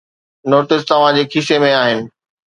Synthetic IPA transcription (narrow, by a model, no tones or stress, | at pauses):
noːʈɪst̪ɐʋ̤ãd͡ʑeːkʰiʃemẽaːɦɪnɪ̆